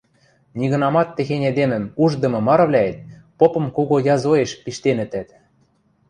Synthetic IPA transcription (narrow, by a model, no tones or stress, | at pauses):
niɣɤ̆nɑmɑt̪ːĕxenʲed̪emɘ̆muʒd̪ɤ̆mɤ̆mɑɾɤ̆βlʲæet̪̚ | popɤ̆mkoɣojɑzoeʃpiʃt̪enɘ̆t̪æt̪